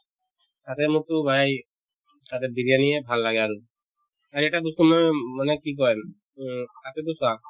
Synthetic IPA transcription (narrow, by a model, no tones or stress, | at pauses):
t̪at̪ɛmukt̪ubʱaj | t̪at̪ebiɾijanijebʱalːaɡɛaɾu | aɾɛʈabust̪umɔjmanekik̬ɔɹɛm | t̪at̪et̪usa